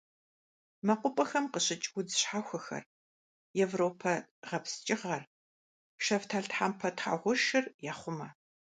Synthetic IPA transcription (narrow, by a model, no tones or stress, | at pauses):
mɐqʷʊpʼɐxɐmqəɕɪt͡ʃʼɡʷʊd͡zɨɕħaːxʷɐxɐ̰r | jɛvroːpʰɐʁɐpst͡ʃʼɪʁɐr | ʃɐvtʰaːɮtħampʰɐtʰχa̰ʁʷʊʃɪrjaːχʷʊmɐ